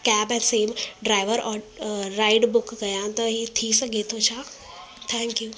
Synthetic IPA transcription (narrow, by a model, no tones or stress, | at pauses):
kɛːbɛnseːmɖɾaːɪʋəɾɔːɾaːɪɖbʊkɡɐjãt̪ɐɦit̪ʰisɐɡʱet̪ʰot͡ʃʰaː | t̪ʰɛ̃ːŋkjuː